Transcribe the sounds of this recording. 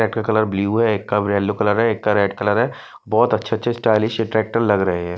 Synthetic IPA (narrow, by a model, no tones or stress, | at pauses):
ɾɛːk̚ʈkakɐləɾbliuɦɛeːkːabɾɛːlːokɐləɾɦɛeːkːaɾeːɖkɐləɾɦɛ | bɔːt̪ɐtːʃʰatːʃʰesʈaːlɪʃɪʈɾɛːk̚ʈəɾlɐɡɾɐɦeɦɛ̃ː